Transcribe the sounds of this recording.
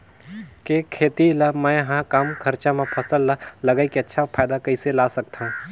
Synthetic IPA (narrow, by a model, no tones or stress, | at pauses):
kekʰeːt̪ilamɛ̃ɦãkaːmkʰɐɾt͡ʃãmẽpʰɐsəlːalɐɡaikeɐtːʃʰapʰaːjd̪akɐiselaːsɐk̚t̪ʰã